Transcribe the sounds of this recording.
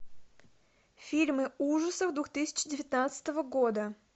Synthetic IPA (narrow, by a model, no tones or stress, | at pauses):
fʲilʲmɨuʐəsəvd̪vuxt̪ɨsʲɪ̥t͡ɕdʲɪvʲɪt̪ʲnat̪sə̥t̪əvəɡod̪ə